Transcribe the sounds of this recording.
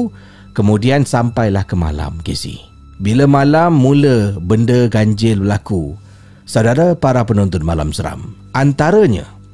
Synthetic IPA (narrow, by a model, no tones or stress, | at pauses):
kəmũdiansampajlahkəma̰la̰mkḭsḭh | biləmalamːũləbəndəɡaɲd͡ʒɪlbəlaku | sawdaɾapaɾapənɔnt̪ɔnmala̰msəɾa̰m | ant̪aɾaɲa̰